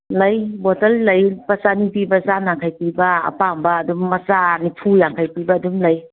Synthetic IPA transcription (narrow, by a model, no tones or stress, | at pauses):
lɐjbɔtɐlːɐjpɐsanipibɐzanaŋkʰajpibɐ̰ːpambɐːdumːɐsanipʰujaŋkʰajpibɐːdumlɐj